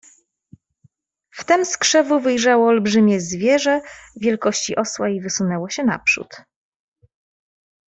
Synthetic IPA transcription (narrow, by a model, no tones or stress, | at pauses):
ft̪ɛmskʂɛvuvɘjʐawɔːlbʐɘmʲjɛzvʲjɛʐɛvʲjɛlkɔɕt͡ɕiʔɔswaivɘsunɛwɔɕɛna̰pʂṵt̪